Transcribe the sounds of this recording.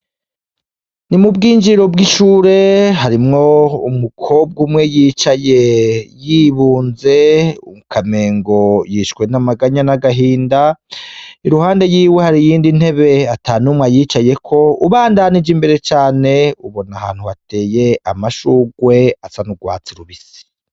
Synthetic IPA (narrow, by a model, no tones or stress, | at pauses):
nimubɡiːnd͡ʒiɾo̞bɡiʃuːɾe̞ɦaɾimŋo̞umukʰo̞b̚ɡumŋe̞jiːt͡ʃaje̞jiβuːnze̞ṵmukʰame̞ːŋɡo̞jiʃkwe̞namaɡaɲanaɡaɦiːnda | iɾuhaːnde̞jiːwe̞haɾijiːndin̥he̞βe̞ataːnumŋajiːt͡ʃaje̞kʰo̞uβaːndanid͡ʒimbe̞ɾe̞t͡ʃaːne̞uβo̞naha̰ːn̥huhate̞ːje̞a̰maʃuɡwe̞asanuɡwa̰ːt͡siɾuβisi̥